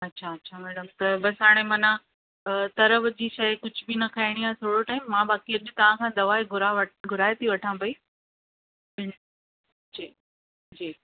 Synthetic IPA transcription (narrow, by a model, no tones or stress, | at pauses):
ɐtːɕʰaɐtːɕʰamɛːɽəmt̪ɐbɐsɦaːɽ̃emɐnã | t̪ɐɾəʋd͡ʑiːʃɐjkʊd͡ʑʱʊbinɐkʰaːɪɽ̃iaːt̪ʰoːɽoʈaːɪmːãbaːkiɐʄɪt̪ɐʋ̤ãkʰãːd̪ɐʋaːeɡʱʊɾaʋɐɡʱʊɾaːjt̪ʰiʋɐʈʰãbɐi | bɪn | d͡ʑiː | d͡ʑiː